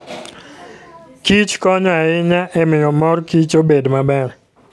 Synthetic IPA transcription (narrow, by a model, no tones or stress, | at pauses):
kit͡ʃkɔɲɔaɪɲaʔɛmɪjɔmɔrkit͡ʃobedmabɛr